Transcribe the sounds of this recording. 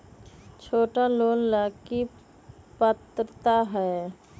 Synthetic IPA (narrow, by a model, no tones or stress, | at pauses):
t͡ʃʰoːʈaloːnlaːki | pət̪ɾət̪aɦɛː